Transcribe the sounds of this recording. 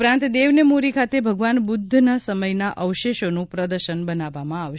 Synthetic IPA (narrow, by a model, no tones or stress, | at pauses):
ɾãnt̪d̪eʋnemoɾikʰat̪ebʱəɡʋanbʊd̪ʱːnəsəməjnaʔʔəʋʃeʃonũpɾəd̪əɾʃənbənaʋːamãaʋ